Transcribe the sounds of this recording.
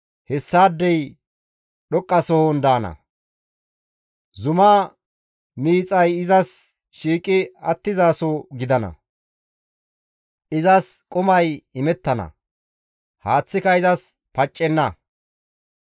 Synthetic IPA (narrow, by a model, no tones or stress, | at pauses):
hɛsːaːd̪ːɛj | ɗɔkʼːɐsɔhond̪aːnɐ̰ | zʊmɐ | miːt͡sʼɐjɪzɐs | ʃiːkʼɪɐt̪ːɪzaːsoɡɪd̪ɐnɐ̰ | ʔɪzɐskʼʊmɐjɪmɛt̪ːɐnɐ̰ | haːt͡sːɪkɐɪzɐs | pɐt͡ʃʼːɛnːɐ